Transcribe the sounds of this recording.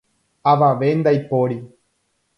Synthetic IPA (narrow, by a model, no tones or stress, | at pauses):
ɐʋãʋeːnd̪ɐjpːoːɽi